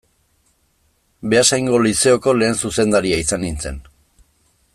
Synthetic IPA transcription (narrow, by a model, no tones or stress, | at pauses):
be̞asajŋɡo̞lise̞oko̞le̞ːnsuse̞nd̪aɾiaisanint͡se̞̰n